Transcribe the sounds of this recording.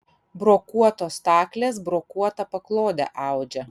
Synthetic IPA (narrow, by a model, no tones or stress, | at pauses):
bɾoːkuɔt̪oːst̪ɑːklʲeːsbɾoːkuɔt̪ɐpɐklˠoːd̪ʲɛ̰ʔɑˑʊd͡ʒʲɛ